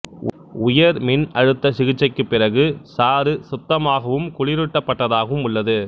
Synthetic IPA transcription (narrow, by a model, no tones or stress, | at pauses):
ʊjɐɾmɪnɐɻɯt̪ːɐsɪɣɪt͡ʃːɐɪkːɯpːɪrɐɣɯsaːɾɯsʊt̪ːɐmaːɣɐʋɯmkʊɭɪɾɯʈːɐpːɐʈːɐðaːɣɐʋɯmʊɭːɐðɯ